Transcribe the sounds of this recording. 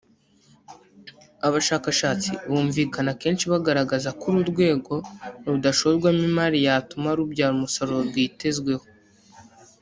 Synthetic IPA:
aβaʃaːkaʃaːt͡sḭβuːɱviːkanake̞ːnʃiβaɡaɾaɡazakuɾuɾɡwe̞ːɡo̞ɾudaʃo̞zɡwamimaɾijaːtumaɾubɟaːɾumusoɾoɾɡwiːte̞zɡwe̞ho

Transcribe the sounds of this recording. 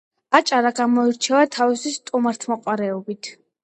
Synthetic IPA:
at͡ʃʼaɾaɡamɔiɾt͡ʃʰɛvat̪ʰavisist̪ʼumaɾt̪ʰmɔqʼwaɾɛɔbit̪ʰ

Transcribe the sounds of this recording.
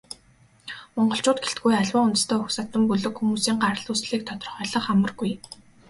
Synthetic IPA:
mɔɴɢɞ̆ɬt͡ɕʊːt̪̚ɡeɬt̪̚ɡujaɮwaːunt̪̆st̪ʰeːɵksat̪ə̆mpuɮɵ̆kxumuːsiːŋɢaɾə̆ɮuːsɮiːk̚t̪ʰɔt̪ɞ̆rχœːɮə̆χamə̆rɡuj

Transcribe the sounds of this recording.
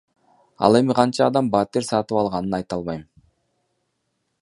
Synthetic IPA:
ɑ̰lˠe̞miqʰɑnt͡ʃɑːd̪ɑmbɑːt̪eɾsɑt̪ɯpɑlˠʁɑnɯnɑjt̪ɑlˠβɑjm

